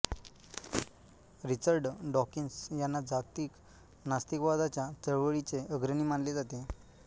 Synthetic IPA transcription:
ɾit͡ɕəɾɖɖɔkinsjanːad͡zat̪iːk | nast̪ikʋad̪at͡ɕjat͡səɭʋəɭit͡seʔəɡɾəniːmaɳled͡zat̪e

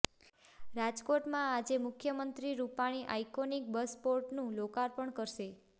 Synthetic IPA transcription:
ɾad͡ʒkoʈmãad͡ʒemʊkʰjəmənt̪ɾiɾupaɽ̃iʔa̰jkonik̚bəspoɾʈnũlokaɾpəɳkəɾʃe

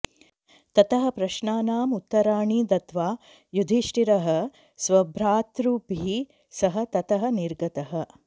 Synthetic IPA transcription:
t̪ɐt̪ɐɦɐ̆pɾɐʃɳaːnaːmut̪ːɐɾaːɳiːd̪ɐt̪ʋaː | jud̪ʱiʃʈiɾɐɦɐ̆ | sʋɐbʱɾaːt̪ɾuːpi | sɐɦɐ̆t̪ɐt̪ɐɦɐ̆niɾɡɐt̪ɐɦɐ̆

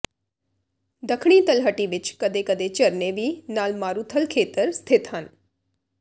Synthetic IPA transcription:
d̪əkʰɳ̃iːt̪əlɦəʈiːʋɪt͡ʃkəd̪eːkəd̪eːt͡ʃəɾneːʋiːnaːlmaːɾuːt̪ʰəlkʰeːt̪əɾst̪ʰɪt̪ɦən

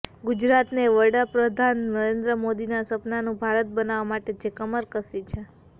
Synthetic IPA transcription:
ɡud͡ʒɾat̪neʋəɽapɾəd̪ʱannəɾend̪ɾəmod̪inasəpnanũbʱaɾət̪̚bənaʋamaʈed͡ʒekəməɾkəsit͡ʃʰe

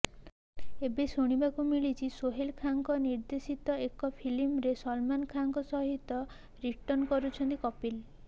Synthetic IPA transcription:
ebesoɽ̃ibakumiɭit͡ʃʰisoɦelkʰaŋkɔniɾd̪esit̪ɔekɔpʰilimɾesɔlmankʰaŋkɔsɔɦit̪ɔ | ɾiʈɔnkɔɾut͡ʃʰɔnt̪ikɔpil

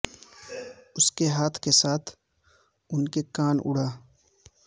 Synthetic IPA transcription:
ʊskeɦaːt̪ʰkesaːt̪ʰ | ʊnkekaːnʊ̰ɽ̤aː

